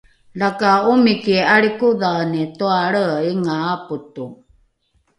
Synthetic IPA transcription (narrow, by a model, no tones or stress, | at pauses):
lakaumikiaɭikuðanituaɭəiŋaːputu